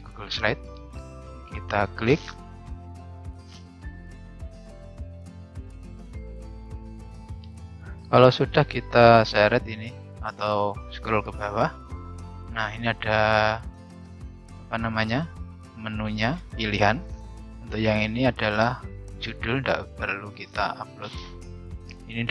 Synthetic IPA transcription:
ɡ̥uɡʊlslaɪt̪̚ | kit̪aklɪk̚ | kalawsudahkit̪asaɾɛt̪ini | at̪awsə̥kəɾʊlkəb̥awa | nahiniad̥a | apanamaɲa | mənuɲapiliɦan | unt̪ʊkjaŋiniadalahd͡ʒud̥ʊlnda̰ʔpərlukit̪a̰ʔap̚lʊt̪̚ | inind

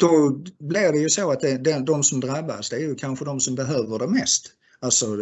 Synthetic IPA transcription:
d̪̥ɔblɪɖɛjɵsoːat̪̚d̪ɛd̪ɛd̪ɔmsɔmd̪ɾabːa̰sd̪ɛæɾjɵkʰanɧəd̪ɔmsɔmbɛɦøːvəɖɛmɛst̪ | alsɔ

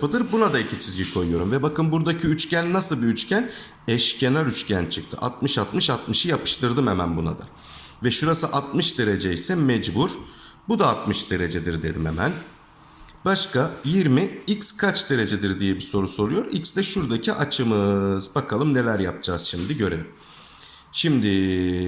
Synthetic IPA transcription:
pɯd̪ɯɾbunad̪aicʰit͡ʃʰizɟikʰo̞jujo̞ɾumvɛbakɯnbuɾd̪acʰiyt͡ʃcʰænːasɯlˠbiyt͡ʃcʰæn | ɛʃcʰenaɾyt͡ʃcʰænt͡ʃʰɯk̚t̪ʰɯ̰ʔa̰t̪̚mɯʃat̪mɯʃat̪mɯʃɯjapɯ̥ʃt̪ʰɯɾd̪ɯmemænbuna̰d̪a̰ | vɛʃuɾasɯʔat̪̚mɯʃd̪e̞ɾe̞d͡ʒeisɛmɛd͡ʒbuɾ | bud̪aːt̪mɯʃd̪e̞ɾe̞d͡ʒed̪iɾd̪e̞̰d̪ime̞mæ̰n | baʃkajiɾmiicskʰat͡ʃd̪e̞ɾe̞d͡ʒed̪iɾd̪ijɛbiso̞ɾuso̞ɾujo̞ɾḭcsd̪ɛʃuɾd̪acʰiʔat͡ʃʰɯmɯzbakʰalˠɯmne̞lʲæɾjap̚d͡ʒaːz̥ʃimd̪iɟø̞ɾe̞lʲim | ʃimd̪ɪ

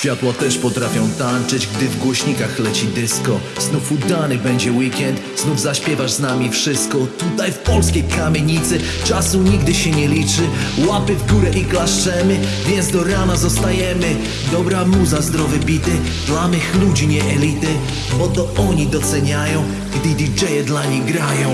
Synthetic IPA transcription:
ɕfʲjat̪wat̪ɛʂpɔt̪ɾafʲjɔ̃w̃t̪ant͡ʂɘd͡ʑɡd̪ɘvɡwɔɕɲikaxlɛt͡ɕid̪ɘskɔ | znufud̪anɘbɛɲd͡ʑɛwikʲɛnt̪ | znuvzaɕpʲjɛvaʐznamʲifʂɘst̪̚kɔt̪ut̪ajfpɔlskʲejkamʲjeɲit̪sɘ | t͡ʂasuɲiɡ̚d̪ɘɕɛɲɛlʲit͡ʂɘ | wapɘvɡuɾɛʔiklaʂt͡ʂɛmɘ | vʲjɛnt̪sd̪ɔɾanazɔst̪ajɛmɘ | d̪ɔbɾamuzazd̪ɾɔvɘbʲit̪ɘ | d̪lamɘxlud͡ʑiɲɛʔɛlʲit̪ɘ | bɔt̪ɔɔɲid̪ɔt̪sɛɲajɔ̃w̃ | ɡd̪id̪ʲid͡ʒɛjɛd̪laɲijɡɾajɔ̃w̃

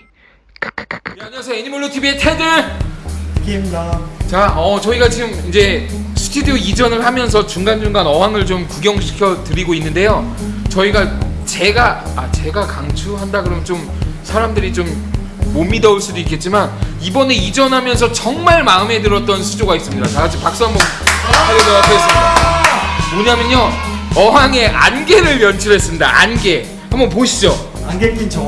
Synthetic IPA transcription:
aɲiasʰeeɲimuɭːotʰibietʰedɯɭ | t͡ɕaʌt͡ɕʌiɡat͡ɕiɡɯmind͡ʑe̞sʰɯ̥tʰudioid͡ʑʌnɯɭhamjʌns̬ʰʌt͡ɕuŋɡand͡ʑuŋɡanʌɦwaŋɯɭt͡ɕomkuɡjʌŋɕʰi̥kʰjʌtɯɾiɡoinːɯnde̞jo | t͡ɕʌiɡat͡ɕe̞ɡaː | t͡ɕe̞ɡakaŋt͡ɕʰuɦandaɡɯɾʌmjʌnt͡ɕom | sʰaɾamdɯɾit͡ɕomː | omidʌuɭs͈udoik͈ːe̞t̚t͡ɕ͈imanibʌne̞id͡ʑʌnɦamjʌns̬ʰʌt͡ɕʌŋmaɭmaɯme̞dɯɾʌt̚t͈ʌnsʰud͡ʑoɡais͈ɯmɲidataad͡ʑipak̚s͈ʌŋbopʰaɾʌdʌɾaɡoɦes͈ɯmɲidaimoɲamjʌɲjo | ʌɦaŋe̞ʔa̰nɡe̞ɾɯɭjʌnt͡ɕʰɯɾe̞s͈ɯmɲida̰ʔanɡe̞ | hambʌp̬oɕʰid͡ʑo

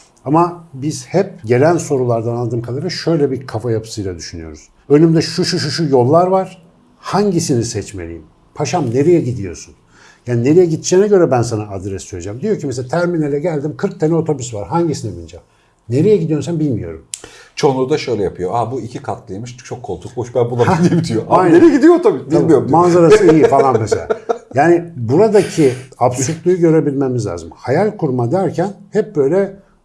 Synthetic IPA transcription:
amabiz̥hɛp̚ɟe̞lʲænso̞ɾulˠaɾd̪analˠd̪ɯːmkʰalˠaɾɯʃø̞jlʲɛbiɾkʰafajapʰɯ̥sɯjlˠad̪yʃynyjo̞ɾuz̥ | ønymd̪ɛʃuʃuʃuʃujo̞lˠːaɾvaɾ̥ | haɲɟisinisɛt͡ʃme̞lʲḭjim | pʰaʃamne̞ɾejɛɟid̪ijo̞̰ɾsun | jaːnine̞ɾejɛɟit̪d͡ʒeːnɛɟø̞ɾɛbænsanaad̪ɾɛsːøjʲed͡ʒaːmd̪ijo̞ɾcʰimes̬elat̪ʰæɾminelʲɛɟælʲd̪imkʰɯɾk̚t̪ʰanɛo̞t̪ʰo̞busvaɾɦaɲɟisinivind͡ʒam | ne̞ɾejɛɟid̪ijo̞ɾsænbilʲmijo̞̰ɾumt͡ʃʰo̞nˠud̪aʃø̞jlʲɛjapʰɯjoabuicʰikʰat̪lˠɯjmɯʃt͡ʃʰo̞kʰːolˠt̪ʰukboʃbænbunˠamʲibit̪ʰijoʔajjneɾijɛɟid̪ijoot̪ʰobysb̪iamijoɾmanzaɾasɯijifalˠanmeselʲa̰jaːnibuɾad̪acʰiapsut̪lˠujuɟø̞ɾebilʲmemizlʲa̰ːzɯmhajalʲkʰuɾmad̪æɾcʰænhɛp̚bø̞jlʲɛ

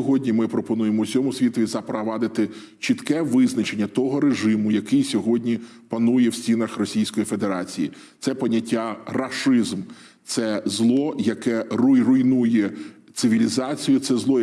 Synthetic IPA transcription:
ɔɦɔdʲnʲimɪpɾɔpɔnujemɔsʲɔmʊsʲʋʲit̪ɔʋʲizɐpɾɐʋɑd̪ɪt̪ɪ | t͡ʃit̪kɛʋɪznɐt͡ʃe̞nʲːɐt̪ɔɦɔɾeʒɪmʊjɐkɪjsʲɔɦɔdʲnʲi | pɐnujɛwsʲtʲinɐxrɔsʲijsʲkɔjife̞d̪e̞ɾɑt͡sʲijḭ | t̪sɛpɐnʲːɐtʲːarɐʃɪzm | t̪sɛzlˠɔjɐkɛrʊjrʊjnujɛ | t̪sɪʋʲilʲizɑt͡sʲijʊt̪sɛzlˠɔ

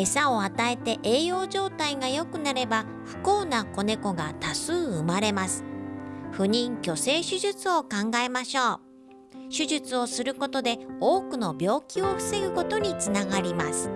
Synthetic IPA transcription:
e̞sao̞at̪ae̞t̪e̞ʔeːjo̞ːʑo̞ːt̪aiɡajo̞kɯ̟naɾe̞ba | ɸɯ̟̥ko̞ːnako̞ne̞ko̞ɡat̪asɨːɯmaɾe̞masɨ̥ɸɯ̟ɲ̟ĩŋkʲo̞se̞ːɕɨʑɨt͡sɨo̞kãŋɡae̞maɕo̞ː | ɕɨʑɨt͡sɨo̞sɨɾɯ̟ko̞t̪o̞d̪e̞o̞ːkɯno̞bʲjo̞ːkʲio̞ɸɯ̟̥se̞ɡɯ̟ko̞t̪o̞ɲ̟it͡sɨnaɡaɾʲimasɨ̥

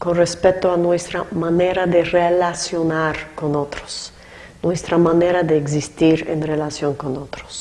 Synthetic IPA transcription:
konrespet̪oanwest̪ɾamaneɾad̪erelasjonaɾkonot̪ɾo̥s | nwest̪ɾamaneɾad̪eːks̬ist̪iɾḛnrelasjoŋkonot̪ɾo̥s

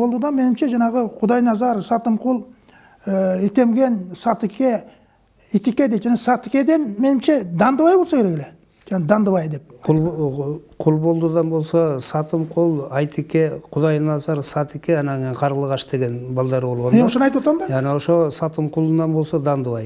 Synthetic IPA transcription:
old̪ud̪ɑnme̞nɪmʃe̞ʒɑɴɑʁəqʰʊd̪ɑjnɑzɑɾsɑt̪əmqʰulˠ | əɪt̪e̞mɡʲe̞nsɑt̪ɪkʲe̞ | it̪ekʲed̪et̪ʒænesɑt̪ɪkʲe̞d̪e̞nme̞nɪmʃe̞d̪ɑnd̪əβɑjbo̞lˠsɑkʰʲeɾekele | kʰænd̪ɑnd̪əβɑjd̪e̞p̚qʰʊlˠ | qʰʊlˠbo̞lˠd̪ud̪ɑnbo̞lˠsɑsɑt̪əmqʰulˠɑjt̪ʰikʲeqʰʊd̪ɑjnɑzɑɾsɑt̪ɪkʲeɑnɑŋeqʰɑɾʁəlˠəʁɑʃd̪e̞ɡʲe̞nbɑlˠd̪ɑɾbo̞lˠʁɑnmeʊʃənɑjt̪wot̪ɾɑmɑɑnewoʃosɑt̪əmqʰʊlˠənɑnbo̞lˠsɑd̪ɑnd̪əβɑj

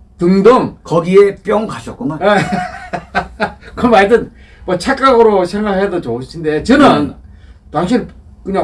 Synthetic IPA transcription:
tɯŋdoŋkʌɡiep͈jʌŋkaɕʰʌt̚k͈unae | kʌmaidɯn | mʌt͡ɕʰak͈aɡɯɾosʰeŋɡaɭhedot͡ɕoɯɕʰinde̞t͡ɕɯnɯntwaŋɕʰink͈ɯɲa

